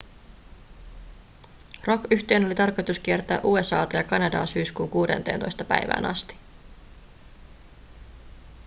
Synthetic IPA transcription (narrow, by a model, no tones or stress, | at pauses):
ro̞kyçt̪eːno̞lit̪ɑrko̞jt̪usk̟ie̞rt̪æːʔuːe̞sɑːt̪ɑjɑkɑnɑdɑ̰ːsyːskuːŋkuːdent̪eːnt̪o̞jst̪ɑpæ̰jʋæ̰ːnʔɑ̰st̪i̥